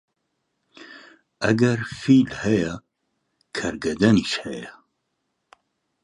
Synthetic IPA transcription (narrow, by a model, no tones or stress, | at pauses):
ɐɡɐɾfiːlhɛjɛ | kʰɐɾɡɐd̪ɐniʃhɛjɛ